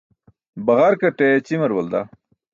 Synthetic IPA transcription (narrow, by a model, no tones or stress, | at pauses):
bɐɣaɾkɐʈet͡ɕimɐɾwɐld̪a